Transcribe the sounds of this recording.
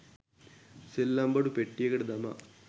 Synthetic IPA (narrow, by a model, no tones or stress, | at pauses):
selːambɐɽupeʈːijeɡɐɽed̪ɐma̰